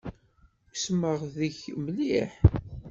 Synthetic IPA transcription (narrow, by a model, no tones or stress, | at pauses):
sməʁðəçməliħ